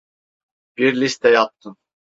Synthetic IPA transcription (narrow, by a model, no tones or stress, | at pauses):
b̥iɾlʲist̪ʰɛjap̚t̪ʰɯn